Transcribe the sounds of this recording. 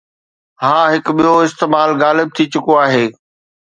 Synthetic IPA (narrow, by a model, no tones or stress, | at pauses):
ɦãːɦɪkʊɓijoɪst̪eːmaːlɣaːlɪb̚t̪ʰit͡ɕʊkoaːɦeː